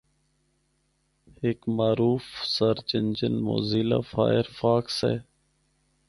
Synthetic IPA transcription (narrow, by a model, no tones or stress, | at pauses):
ekmaːɾuːfsəɾt͡ʃɪnd͡ʒənmo̰ːziːla̰ːfa̰ːɪɾfaːksɛ̰ː